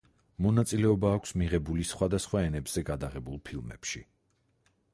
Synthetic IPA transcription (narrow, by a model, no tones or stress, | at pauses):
mɔnat̪sʼilɛɔbaːkʰʷsmiʁɛbulisχwad̪asχwaɛnɛbz̥ɛɡad̪aʁɛbulˠpʰilˠmɛ̰pʃi